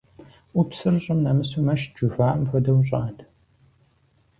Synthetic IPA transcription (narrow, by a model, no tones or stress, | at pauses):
ʔʷʊpsɨrɕʼɪmnɐmɨsumɐʃd͡ʒufaːʔɐmxɐdɐwɕʼaːd